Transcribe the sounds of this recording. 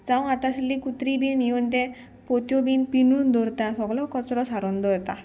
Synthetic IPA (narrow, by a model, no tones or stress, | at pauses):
d͡zãw̃at̪ãɕilːikut̪ɾibiniunt̪̬ɛ̃ | pot̪jɔbinpinund̪ɔɾt̪ãsɔɡlɔkɔt͡sɾɔsaɾɔnd̪ɔɾt̪ã